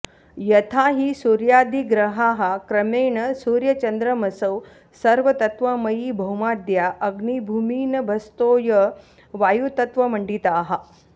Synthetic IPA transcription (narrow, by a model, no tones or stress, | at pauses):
jɐt̪ʰaɦiːsuɾjaːd̪ʱiɡɾəɦaɦakɾəmeːɳəsuɾjət͡ɕənd̪ɾəməsəw | səɾʋət̪ɐt̪ʋəməiːbʱəwmaːd̪jaʔəɡnibʱumiːnɐbʱɐst̪oːjə | ʋajut̪ɐt̪ʋɐməɳɖit̪ːɦa